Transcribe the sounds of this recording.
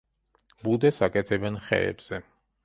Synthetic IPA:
bud̪ɛsakʼɛt̪ʰɛbɛnχɛ̰ɛ̰bz̥ɛ

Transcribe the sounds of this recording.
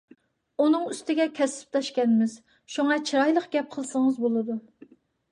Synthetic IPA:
unɨŋyst̪ɪɡʲɛkʲʰɛsɪ̥p̚t̪ɑʃkʲɛnmɪz̥ | ʃuŋɑt͡ʃʰiɾɑjlˠəqɡʲɛp̚qʰəlˠsəŋəzbolˠɨd̪u

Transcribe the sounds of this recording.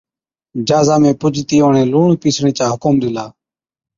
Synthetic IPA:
d͡ʒaːzaːmẽːpʊd͡ʒʱt̪iːoːɳẽːluːɳpiːsɽeːt͡ʃaːɦʊkʊmɗ̪ɪlaː

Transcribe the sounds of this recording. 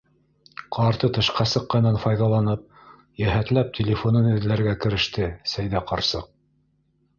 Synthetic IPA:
qʰɑɾt̪ɤt̪ɤ̆ʃqɑsɤ̆qːɑnɑnfɑjðɑlˠɑnɤp̚ | jæɦæt̪læp̚tʲʰɪlʲɪfonɤnɘ̆ðɘ̆læɾɡækɘ̆ɾɘ̆ʃt̪ɘsæjðæqɑɾsɤq̚

